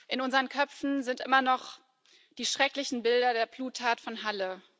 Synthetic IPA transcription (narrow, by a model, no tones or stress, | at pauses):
ʔɪnʊnzəʁənkʰœpp͡fn̩zɪntʔɪmɐnɔχ | d̥iːʃʁ̥ɛklɪçn̩bɪldɐdeːɐbluːtʰːaːtfɔnɦalə